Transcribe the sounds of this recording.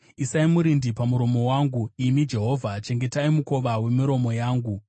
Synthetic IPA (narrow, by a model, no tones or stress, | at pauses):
isaimuɾindipamuɾo̞mo̞waŋɡuimid͡ʒe̞ɦo̞vʱat͡ʃe̞ŋɡe̞taimuko̞ʋawe̞miɾo̞mo̞jaːŋɡu